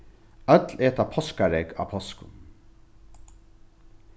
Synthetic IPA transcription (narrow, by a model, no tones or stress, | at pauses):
œt̪leːt̪apʰɔskaɾɛka̰ːpʰɔskʊ̰n